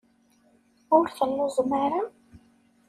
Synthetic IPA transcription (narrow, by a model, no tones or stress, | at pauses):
ʊɾθənːʊzəmaɾa